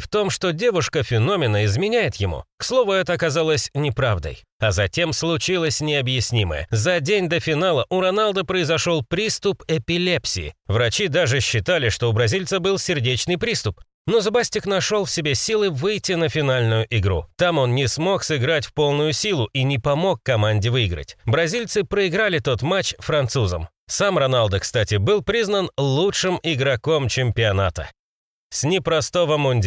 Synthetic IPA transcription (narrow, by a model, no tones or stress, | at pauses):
ft̪o̞mʂt̪o̞dʲe̞vʊʂkəfʲɪno̞mʲɪnəɪzmʲɪnʲæjɪt̪jɪmṵkslˠo̞vʊɛt̪əɐkɐzalˠəsʲnʲɪpɾavd̪ə̰j | ɐzɐtʲe̞mslˠʊt͡ɕilˠəsʲnʲɪɐbjɪsʲnʲimə̰jə̰zɐdʲenʲd̪əfʲɪnalˠəʔʊɾɐnalˠd̪əpɾəɪzɐʂo̞lˠpɾʲist̪ʊpɛpʲɪlʲepsʲɪ̰ɪ̰vɾɐt͡ɕid̪aʐɨɕːɪt̪alʲɪʂt̪o̞ʊbɾɐzʲilʲt̪səbɨlˠsʲɪrdʲet͡ɕnɨjpɾʲist̪ʊp | no̞zɐbasʲtʲɪknɐʂo̞lˠfsʲɪbʲesʲilˠɨvɨjtʲːɪnəfʲɪn̪alʲnʊjʊʔɪɡɾṵt̪amo̞nnʲɪsmo̞ksɨɡɾatʲfpo̞lˠnʊjʊsʲilˠʊʔinʲɪpɐmo̞kːɐmanʲdʲɪvɨɪɡɾə̰tʲbɾɐzʲilʲt̪sɨpɾəɪɡɾalʲɪt̪o̞t̪mat͡ɕfɾɐnt̪suzə̰m | samrɐnalˠd̪əkst̪atʲɪbɨlˠpɾʲiznənlˠutʂɨmɪɡɾɐko̞mt͡ɕɪmʲpʲɪɐnat̪ə̰ | sʲnʲɪpɾɐst̪ovəmʊnʲdʲ